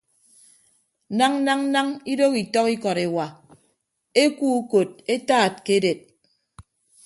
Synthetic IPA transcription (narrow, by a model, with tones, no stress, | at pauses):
na˦ŋ˦na˦ŋ˦na˦ŋi˦do˦ki˨tɔ˦ki˦kɔ˨ɾe˨wa˨ | e˦ku˦u˦ko˨t̚e˦taː˦˨t̚ke˦de˨t̚